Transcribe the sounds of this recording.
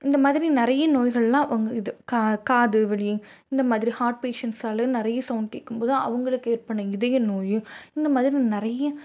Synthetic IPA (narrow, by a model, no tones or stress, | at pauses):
ɪnd̪ɐmaːðɪɾinɪɾɐjɐnoːjɣɐɭlãːʋɐŋɡɐɪðɯkakaːðɯʋɛɭɪjɯ̃ | ɪnd̪ɐmaːðɪɾihaːɾʈ̚peːʂɐnʈsaːlɐnɪɾɐjɐsɐʊnʈḛkːɯmpoːðɯɐ̰ʋɐŋɡɐɭɯkːeːɾpɐɳːɐɪðɐjɯ̃noːjɯɪnd̪ɐmaːðɪɾinɪɾɐjɐ